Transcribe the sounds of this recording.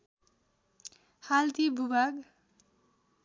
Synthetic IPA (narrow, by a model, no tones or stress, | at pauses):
halt̪ibʱubʱaɡ